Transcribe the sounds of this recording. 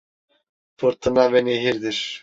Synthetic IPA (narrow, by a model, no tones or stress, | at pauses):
fɯɾt̪ʰɯnavɛneɦiɾd̪iɾ̥